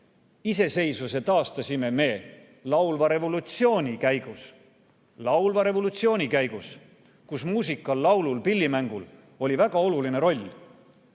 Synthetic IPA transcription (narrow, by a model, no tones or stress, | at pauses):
ise̞se̞jsuse̞t̪ɑːst̪ɑsime̞me̞ː | lɑwlvɑɾe̞vo̞lut̪sio̞ːnʲikæjɡ̥us | lɑwlvɑɾe̞vo̞lut̪sioːnʲikæjɡ̥us | kusmuːs̬ikːˑɑlːɑwlulpilʲːimæŋɡ̥ul | o̞lʲivæɡ̥ɑo̞luline̞ɾo̞lʲː